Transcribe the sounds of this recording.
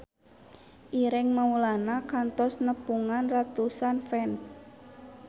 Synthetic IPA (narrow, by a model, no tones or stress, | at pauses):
ʔiɾɪŋmaulanakant̪ɔsnəpuŋanrat̪usanfɛns